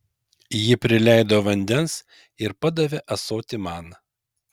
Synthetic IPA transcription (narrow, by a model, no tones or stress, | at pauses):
jɪpʲɾʲɪlʲæˑɪd̪oːʋɐnʲd̪ʲɛns | ɪɾpɐd̪ɐʋʲeʔɐsoːt̪ʲɪmɑːn